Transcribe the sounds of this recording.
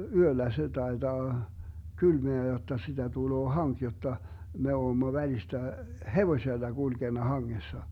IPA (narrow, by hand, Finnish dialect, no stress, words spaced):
yølːæ se tɑetɑː kylmeæ jotːɑ sitæ tuloː hɑŋk jotːɑ me oːmːo ʋælistæ heʋosʲelːɑ ɡ̊ulɡ̊enɑ hɑŋːesːɑ